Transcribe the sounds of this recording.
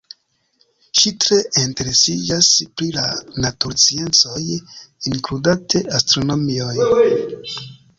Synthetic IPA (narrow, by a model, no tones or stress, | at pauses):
ʃitɾe̞ʔinte̞ɾesid͡ʒaspɾilanatuɾt͡sie̞nt͡so̞jiŋkludatʰe̞ʔastɾo̞no̞mio̞j